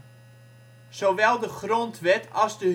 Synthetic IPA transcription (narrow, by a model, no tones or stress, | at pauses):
soʋɛlˠdəχrontʋɛtʰɑzdə